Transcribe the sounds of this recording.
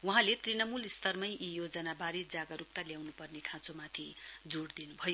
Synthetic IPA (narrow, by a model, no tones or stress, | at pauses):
uɦãlet̪rinʌmulist̪ʌrmʌjʔijod͡zʌnabaɾid͡zaɡʌɾuk̚t̪aljawnupʌrnekʰãt͡somat̪ʰid͡zoɽd̪inubʱʌjo